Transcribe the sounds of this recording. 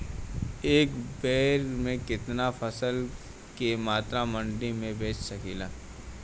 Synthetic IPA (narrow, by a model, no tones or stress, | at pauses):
eːkbeːɾmẽkɪt̪nafʰɐsəl | kemaːt̪ɾamɐ̃ɳɖimẽbeːt͡ʃsɐkiːlaː